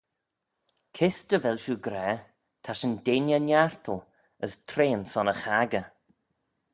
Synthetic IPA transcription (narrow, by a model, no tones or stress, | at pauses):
kʰɪstəvɛlʃuɡɾɛː | t̪ʰaʃəndeːnjənjaɹt̪ʰəl | əst̪ʰɾeːənsɔnəxaɡə